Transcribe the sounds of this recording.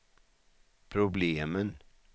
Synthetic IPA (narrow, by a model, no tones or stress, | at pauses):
pʰɾʊbleːmən